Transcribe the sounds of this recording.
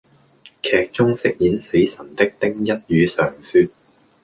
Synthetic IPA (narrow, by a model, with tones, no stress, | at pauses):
kʰɛː˨k̚t͡sʊ˥ŋsɪ˥k̚jiː˨˥nse˨˥jsɐ˨˩nt̪ɪ˥k̚t̪ɪ˥ŋjɐ˥t̚jyː˨˧sœː˨˩ŋsyː˧t̚